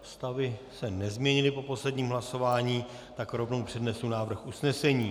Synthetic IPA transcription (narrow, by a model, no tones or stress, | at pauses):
st̪avɪsɛnɛzmɲɛɲɪlɪpo̞po̞slɛdɲiːmɦlaso̞vaːɲiː | t̪akɾo̞vno̞wpr̝̥ɛdnɛslunaːvr̩xusnɛsɛɲiː